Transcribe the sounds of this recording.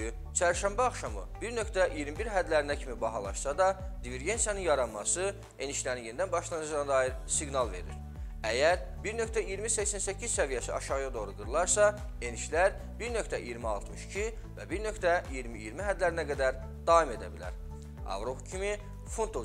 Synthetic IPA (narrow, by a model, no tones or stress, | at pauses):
y | t͡ʃʰæɾʃæmbæɑχʃɑmɯ̰b̥iɾnø̞kt̪æʔijiɾmibiɾɦæd̪læɾinæcʰimibɑɦɑlˠɑ̰ʃsɑd̪ɑd̪iveɾɡe̞nsijɑnɯnjɑɾɑnmɑsɯ | e̞niʃlæɾinje̞nid̪ænbɑʃlˠɑnɯd͡ʒd̪nɑd̪ɑːjiɾsiɡnɑlˠve̞̰ɾḭɾ | æjæɾ | biɾnø̞kt̪æijiɾmisæçsænsæcʰːizsævijæsiʔɑʃɑʁɯjɑd̪o̞ɣɾuɡɯɾlˠɑɾsɑ | e̞niʃlæɾ | biɾnø̞ct̪æʔijiɾmiɑlˠt̪ʰmɯʃi̥cʰi | væbiɾnø̞kʰt̪æijiɾmiːjiɾmiɦæd̪læɾinæɡæd̪æɾ | d̪̥ɑːime̞d̪æ̰bilæ̰ɾ | ɑ̰vɾo̞pʰcʰimi | funt̪ʰo